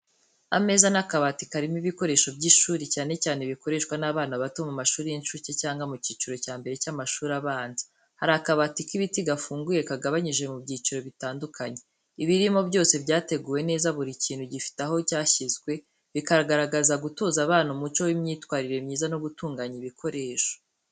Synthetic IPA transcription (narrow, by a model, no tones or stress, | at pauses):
ame̞zanakaβatikaɾimiβiko̞ɾe̞ʃo̞bɟiʃuːɾicaːne̞caːne̞βiko̞ɾe̞ʃkwanaβaːnaβatomumaʃuːɾijinʃucecaːŋɡamuciːt͡ʃuɾo̞caːmbe̞ɾe̞camaʃuːɾaβaːnzi̥ | haɾakaβatikiβitiɡafuːŋɡuje̞kaɡaβaɲiʒe̞mubɟiːt͡ʃuɾo̞βitaːndukʰaɲe̞ | iβiɾimo̞bɟo̞ːse̞bjaːte̞ɡuːwe̞ne̞ːzaβuɾiciːn̥huɟifi̥taɦo̞caːçizɡwe̞ | βikaɾaɡaɾaɡazaɡutoːzaβaːnumut͡ʃo̞wimɲiːtwaːɾiɾe̞mɲiːzanoβutuːŋɡaɲiβikʰo̞ɾʔe̞ːʃo̥